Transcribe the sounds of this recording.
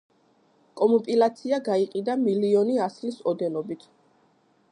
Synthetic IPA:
kʼɔmɔpʼilat̪sʰiaɡaiqʼid̪amiliɔniaslisɔd̪ɛnɔbit̪ʰ

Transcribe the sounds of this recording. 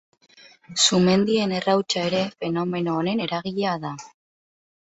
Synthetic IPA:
sume̞nd̪ie̞ne̞rawt͡ʃae̞ɾe̞fe̞no̞me̞noːne̞ne̞ɾaɣ̞iʎaða

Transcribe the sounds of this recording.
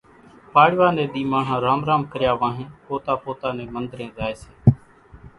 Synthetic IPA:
paːɽʋaːnẽːɗ̪iːmaːɳ̤ãːɾaːmɾaːmkəɾjaːʋãːɦẽːpoːt̪aːpoːt̪aːneːmənd̪ɾẽːzaːeːseː

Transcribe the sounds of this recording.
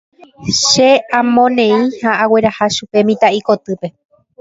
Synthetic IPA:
ʃeãmõnẽ̞ĩhaːwe̞ɾahaʃupe̞mĩt̪aiko̞t̪ɨpe̞

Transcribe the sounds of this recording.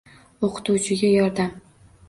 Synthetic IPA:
oqʰɨ̥t̪uwt͡ʃʰɪɡʲajɒɾd̪am

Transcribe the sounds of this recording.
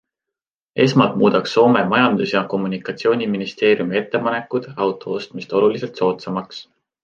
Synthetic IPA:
ʔe̞smɑlt̪muːd̪̥ɑkso̞ːme̞mɑjɑnd̪̥usjɑko̞mːunikːˑɑt̪sio̞ːnʲiminist̪e̞ːɾjumie̞t̪ˑːe̞pɑne̞kːˑud̪̥ɑwt̪ˑo̞o̞st̪mist̪o̞lulise̞lt̪so̞ːt̪sɑmɑks

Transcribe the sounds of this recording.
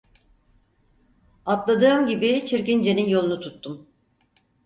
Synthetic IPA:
at̪lˠad̪ɯːmɟibit͡ʃʰiɾcind͡ʒeninjo̞lˠunut̪ʰut̪ʰːum

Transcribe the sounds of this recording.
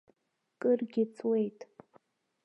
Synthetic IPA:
kʼɨrɡʲɪt͡sʰwejtʼ

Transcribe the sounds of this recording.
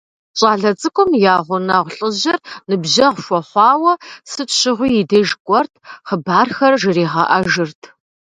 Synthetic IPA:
t͡ʃʼɑːɮɐt͡sʼɨkʷʼʊmjaːʁʷʊnɐʁʷɬʼɨʑɐrnɨbʑɐʁʷʃʷɔħʷɑːwɐsɨtɕɪʁʷʊjɪdeːʒkʷʼɔrtʰχəbaːrxɐrʒɨriːʁɐ̰ʔɐʒɨrtʰ

